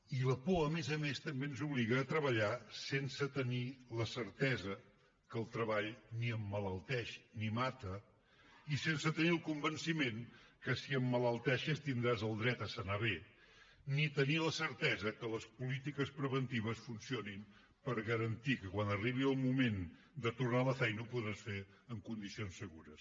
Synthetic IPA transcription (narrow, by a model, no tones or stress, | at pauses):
iləpoəmezəmest̪əmbenzuβliɣəːt̪ɾəβəʎasensət̪əniləsəɾt̪ɛzə | kəlˠt̪ɾəβaʎniəmːələlˠt̪ɛʃnimat̪ə | isensət̪əniəlˠkumbənsimenkəsiəmːələlˠt̪ɛʃəst̪ind̪ɾazəlˠd̪ɾɛt̪əsənaβ̞e | nit̪əniləsəɾt̪ɛzəkələspulit̪ikəspɾəβənt̪iβ̞əsfunsionim | pəɾɣəɾənt̪ikəkwanəriβ̞iəlˠmumen | d̪ət̪urnaləfɛjnəupuðɾasfe | əŋkund̪isionsːəɣuɾəs